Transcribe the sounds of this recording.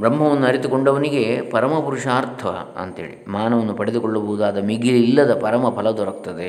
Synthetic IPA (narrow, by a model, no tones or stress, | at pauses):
bɾɐmɦɐʋɐnːuɐɾit̪ukoɳɖɐʋɐniɡe̞pɐɾɐmɐpuɾuʂaːɾt̪ʰɐɐ̰ɐ̰nt̪eːɭḭmaːnɐʋɐnːupɐɽed̪ukɔɭːɐboɦud̪aːd̪ɐmiɡililːɐd̪ɐpɐɾɐmɐpʰɐlɐd̪ɔɾɐkt̪ɐd̪e